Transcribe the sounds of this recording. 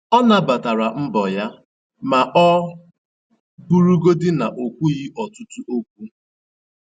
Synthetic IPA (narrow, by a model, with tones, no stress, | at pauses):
ɔ˦na˨ba˨ta˨ɾa˨m̩˦bɔ˨ja˦ | ma˨ʔɔ˦ | bu˦ɾu˦ɡo˦dɪ˦na˨ʔo˨kʷu˦ɣi˦ʔɔ˨tu˦tu˦ʔo˦kʷu˦